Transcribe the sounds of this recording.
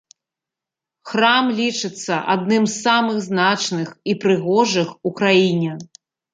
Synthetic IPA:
xɾamlʲit͡ʂɨt̪sːɐʔa̰d̪̚nɨmzːamɨɣznat͡ʂnɨxipɾɨɣɔʐɨxukɾajinʲɛ

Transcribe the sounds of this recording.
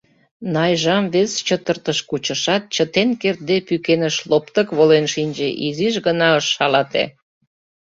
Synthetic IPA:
nɑjʒɑmβest͡ɕət̪ərt̪əʃkut͡ɕə̆ʃɑt̪̚t͡ɕət̪enkert̪̚d̪epykenəʃlopt̪ə̆kβolenʃinʲd͡ʑeʔiziʃɣənɑəʃːɑlɑt̪ḛ

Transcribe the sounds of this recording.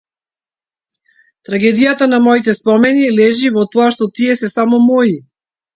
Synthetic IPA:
t̪ɾaɡɛd̪ijat̪anamɔit̪ɛspɔmɛnilɛʒivɔt̪ɔaʃt̪ɔt̪iɛsɛsamɔmɔi

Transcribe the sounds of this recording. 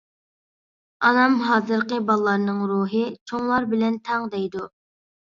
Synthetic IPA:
ɑnɑmɦɑːzɨɾqəbɑlˠlːˠɑɾnɨŋɾuːɦɨt͡ʃʰoŋlˠɑɾbɪlɛnt̪ʰɛŋd̪ɛjd̪u

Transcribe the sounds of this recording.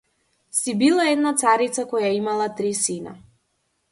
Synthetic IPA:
sibilˠaɛd̪nat̪saɾit̪sakɔjaimalˠat̪ɾisina̰

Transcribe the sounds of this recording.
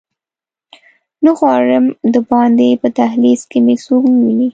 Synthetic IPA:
nəxwɑɾəmd̪əbɑnd̪epət̪aɦliskemesoknwini

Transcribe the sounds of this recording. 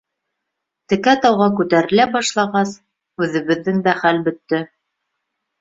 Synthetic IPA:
t̪ɘ̆kæt̪ɑwʁɑkʉt̪æɾɘ̆læbɑʃlˠɑʁɑs | ʉðɘ̆βɘ̆ðːɘŋd̪æχælbɵ̆t̪ːɘ

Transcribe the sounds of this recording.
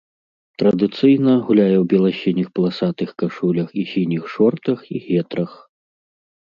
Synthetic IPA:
t̪ɾɐd̪ɨt̪sɨjnɐɣulʲajɛwbʲɛlˠaɕʲinʲixplˠasat̪ɨxkaʂulʲɐxisʲinʲixʂɔrt̪ɐxiɣʲɛt̪ɾɐx

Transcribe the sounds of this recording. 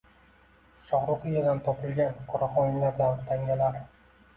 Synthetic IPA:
ʃɒχɾʊfɨjad̪ant̪ʰɒpʰɪlˠɡʲanqʰɒɾɒχɒnlaɾd̪ant̪ʰaŋʲalaɾ

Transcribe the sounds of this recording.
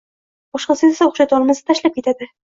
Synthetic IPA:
bɒʃqɑsizasaoχʃat̪ɒlˠmasɪt̪ʰaʃlap̚kʲet̪ad̪ɪ

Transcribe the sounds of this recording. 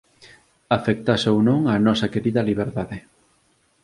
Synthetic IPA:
afek̚t̪asownõŋanɔsɐkeɾiðɐliβ̞eɾðaðɪ

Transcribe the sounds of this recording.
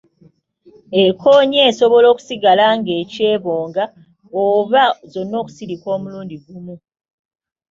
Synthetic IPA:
ekʰo̞ːɲeːso̞βo̞lo̞ːku̥siɡalaŋɡe̞ːce̞ːβoːŋɡa | oβazo̞nːo̞ːku̥siɾikwo̞ːmuluːndiɡumu

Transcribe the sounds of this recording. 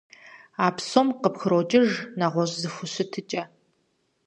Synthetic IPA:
aːpʰsomqəpxɨɾot͡ʃʼɪʒnaʁʷɔʑzɨxʷʊɕɨtʰɨt͡ʃʼɐ

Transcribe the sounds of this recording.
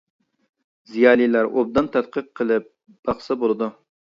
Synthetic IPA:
zijɑːlˠilæɾʔo̰b̚d̪ɑnt̪ʰɛt̪̚qəqʰːəlˠɨp̚ | b̥ɑχsɨbolˠɨd̪u

